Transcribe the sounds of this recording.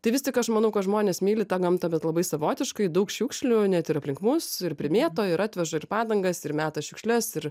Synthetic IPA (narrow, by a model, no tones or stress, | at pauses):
t̪ɐɪʋʲɪst̪ʲɪkɐʃmɐnɐʊkɐtʒmoːnʲeːsmʲiːlʲɪt̪ɑːɡɐmt̪ɐbʲɛt̪lˠɐbɐɪsɐʋoːt̪ʲɪʃkɐɪd̪ɐʊkʃʲuːkʃʲlʲʊnʲɛt̪ɪɾɐpʲlʲɪŋkmʊsɪrpʲɾʲɪmʲeːt̪oːɪɾɑːt̪ʲʋʲɛʒɐɪrpɑːd̪ɐŋɡɐsɪɾmʲæːt̪ɐʃʲʊkʃʲlʲɛsɪɾ